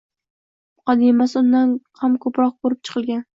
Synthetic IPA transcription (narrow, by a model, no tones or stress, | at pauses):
qʰɒd̪ɪmasɪʊnd̪anqʰamkʰɵpɾɒq̚boɾɪp̚t͡ʃʰɨ̥qʰɨlˠɡʲan